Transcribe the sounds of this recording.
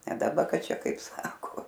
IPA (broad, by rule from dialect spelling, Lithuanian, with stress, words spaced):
nʲɛ dɐˈbɐ ˈkɐt ˈt͡ʃʲɛ ˈkɐɪp ˈsɑːkoː